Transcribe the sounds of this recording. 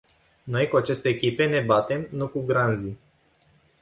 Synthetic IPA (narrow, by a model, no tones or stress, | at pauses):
no̞jkuat͡ʃe̞st̪e̞ːkʲipe̞ne̞bat̪e̞mnukuɡɾanzi